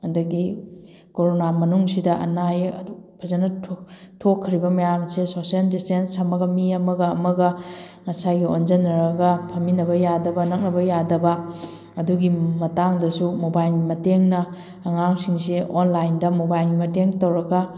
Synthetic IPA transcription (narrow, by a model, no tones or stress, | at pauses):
ɐdɐɡi | koɾonamɐnuŋsidɐʔɐ̰najɐpʰɐzɐnɐ | tʰokʰːɐɾibɐmɐjamsesosieldistensɐmɐɡɐmiɐmɐɡɐːmɐɡɐ | ŋɐsaɡionzɐnɐɾɐɡɐpʰɐminɐbɐjadɐbɐnɐk̚nɐbɐjadɐbɐ | ɐduɡimɐtaŋdɐsumobajlɡimɐteŋnɐː | ŋaŋsiŋs̬ionlajndɐmobajlɡimɐteŋtowɾɐɡɐ